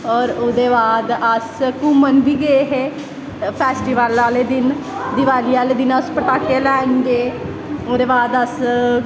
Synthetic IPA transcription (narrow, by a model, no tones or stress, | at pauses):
ɔːɾʊd̪eːbaːd̪əskuːmənʋiːɡəeɦeː | pʰɛːsʈiːʋalaːleːd̪ɪn | d̪ɪʋaːliːaːleːd̪ɪnaʊspəʈaːkeːlɛːnɡeː | od̪eːbaːd̪əs